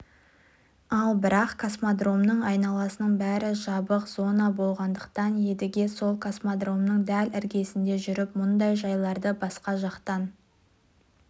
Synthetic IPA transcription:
ɑlˠbɪɾɑqkʰosmod̪ro̞mnəɴɑjnɑlˠɑsənəɴbæɾɪʒɑbəqz̥o̞nɑbo̞lˠʁɑnd̪əqt̪ɑnje̞d̪ɪɡʲe̞so̞lˠkʰosmad̪ro̞mnəɴd̪ælɪɾɡʲe̞sɪnd̪e̞ʒʏɾɪpmʊnd̪ɑjʒɑjlˠɑɾd̪əbɑsqɑʒɑqt̪ɑn

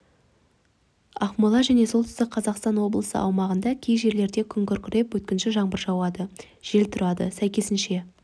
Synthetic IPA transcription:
ɑχmɑlˠɑʒæne̞so̞t̪ɪ̥st̪ɪk̚qʰɑzɑqst̪ɑnwo̞blˠəsə̰ʔɑ̰wmɑʁənd̪ɑkʲʰejʒe̞ɾle̞ɾd̪ekʲʰʏŋkʲʏɾkʲʰɪɾe̞pwɵt̪̚kʲɪnʃɪʒɑɴbəɾʒɑwɑd̪ə | ʒ̥e̞lt̪ʰʊɾɑd̪ə̰sæjkʲe̞sɪnʃe̞

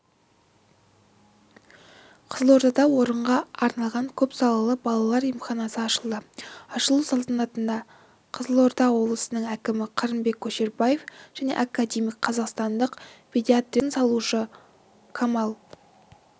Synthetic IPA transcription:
qʰə̥zəlˠo̞ɾt̪ɑd̪ɑwo̞ɾəɴʁɑɑɾnɑlˠʁɑŋkʲʰɵpsɑlˠɑlˠəbɑlˠɑlˠɑɾijmχɑnɑsəɑʃəlˠd̪əɑʃəlˠusɑlˠt̪ənɑt̪ənd̪ɑ | qʰəzəlˠo̞ɾt̪ɑwo̞blˠəsənəŋækʲɪmɪqʰɑɾəmbe̞kʲʰːɵʃe̞ɾbaje̞fʒ̥æne̞̰ʔɑkːad̪ʲemijkqʰːɑzɑqst̪ɑnd̪əqpʰʲed̪ʲiat̪rinsɑlˠuʃə | kʰamɑlˠ

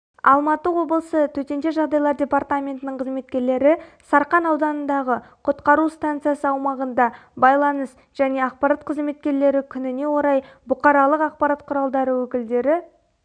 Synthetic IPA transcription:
ɑ̰lˠmɑt̪əwo̞blˠəsət̪ʰɵt̪e̞nt̪e̞ʒɑʁd̪ɑjlˠɑɾd̪ʲe̞part̪amʲe̞nt̪ɪnɪɴqʰəzme̞t̪̚kʲe̞ɾle̞ɾɪsɑɾqɑnɑwd̪ɑnənd̪ɑʁəqʰʊt̪qɑɾust̪ant̪sɨjasəɑwmɑʁənd̪ɑbɑjlˠɑnəs | ʒ̥æne̞ɑq̚pɑɾat̪̚qʰəzme̞t̪̚kʲe̞ɾle̞ɾɪkʲʰʏnɪne̞wo̞ɾɑjbʊqɑɾɑlˠəqɑq̚pɑɾat̪̚qʰʊɾɑlˠd̪ɑɾəwɵkʲɪld̪e̞ɾɪ

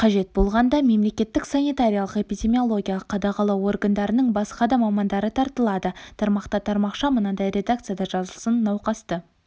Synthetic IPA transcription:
qʰɑʒe̞t̪̚bo̞lˠʁɑnd̪ɑme̞mle̞kʲe̞t̪ːɪksanijt̪aɾʲijalˠəqe̞pijdʲe̞mijo̞lˠo̞ɡʲijaqʰːɑd̪ɑqɑlˠɑwo̞rɡənd̪ɑɾənəɴbɑsqɑd̪ɑmɑmɑnd̪ɑɾət̪ʰɑɾt̪əlˠɑd̪ət̪ʰɑɾmɑqt̪ɑt̪ʰɑɾmɑqʃɑmənɑd̪ɑjɾʲe̞d̪ak̚t̪sɨjad̪ɑʒɑzəlˠsənːɑwqɑst̪ə

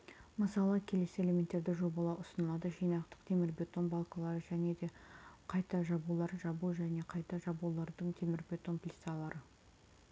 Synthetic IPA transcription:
məsɑlˠəkʲʰe̞le̞se̞le̞mʲe̞nt̪ːe̞ɾd̪ɪʒo̞bɑlˠɑʊsənəlˠɑd̪əʒijnɑqt̪ə̥qt̪ʰe̞mɪɾbet̪o̞nbɑlˠkɑlˠɑɾəʒæne̞d̪e̞qʰɑjt̪ɑʒɑbulˠɑɾʒɑbuʒæne̞qʰɑjt̪ɑʒɑbulˠɑɾd̪əɴt̪ʰe̞mɪɾbʲe̞t̪o̞nplʲit̪sɑlˠɑɾʔə

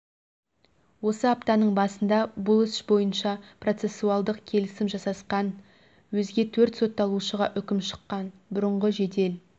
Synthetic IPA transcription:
wo̞səɑpt̪ɑnəɴbɑsənd̪ɑbʊlˠɪsbo̞jənʃɑpro̞t̪se̞sːuɑlˠd̪əqkʲʰe̞lɪsɪmʒɑsɑsqɑn | wɵzɡʲe̞t̪ʰɵɾt̪so̞t̪ːɑlˠuʃəʁɑʔʏkʲɪmʃə̥qːɑnbʊɾəɴʁəʒe̞d̪e̞l

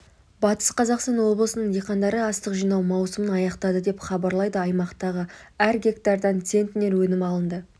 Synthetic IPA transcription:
bɑt̪ə̥sqʰɑzɑqst̪ɑnwo̞blˠəsənəɴjeqɑnd̪ɑɾəɑst̪əqʒijnɑwmɑwsəmənɑjɑqt̪ɑd̪əd̪e̞pχɑbɑɾlˠɑjd̪əɑjmɑqt̪ɑʁəæɾɡʲe̞kt̪ɑɾd̪ɑnt̪se̞nt̪ɪne̞ɾwɵnɪmɑlˠənd̪ə

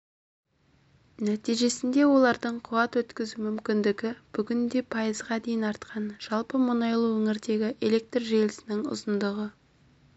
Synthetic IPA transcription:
næt̪ijʒe̞sɪnd̪e̞wo̞lˠɑɾd̪əɴqʰʊwɑt̪wɵt̪kʲɪzumʏmkʲɪnd̪ɪɡʲɪb̥ʏɡʲɪnd̪e̞pʰɑjəzʁɑd̪e̞jɪnɑɾt̪qʰɑnʒ̥ɑlˠpəmʊnɑjlˠəwɵŋɪɾd̪e̞ɡʲɪʔe̞lʲe̞k̚t̪rʒelɪsɪnɪŋʊ̰zənd̪əʁə

